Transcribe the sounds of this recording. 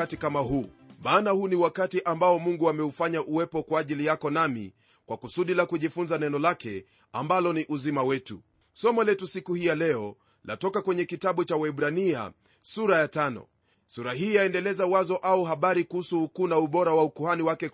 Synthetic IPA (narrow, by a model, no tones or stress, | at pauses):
atikamaɦuːmaːnahuːniwakatiʔambaɔmuŋɡuamɛufaɲaʔuwɛpɔkwaːʄilijakɔnamḭ | kwakusuɗilakuʄifunzanɛnɔlakɛ | ambalɔniʔuzimawɛtṵ | sɔmɔlɛtusikuhijalɛɔ | la̰tɔkakwɛɲɛkitaɓut͡ʃawaɛɓɾania̰ | suɾajatanɔ̰ | suɾahiːjaɛndɛlɛzawazɔʔauɦaɓaɾikuhusuhukuːnauɓɔɾawaukuhaniwakɛ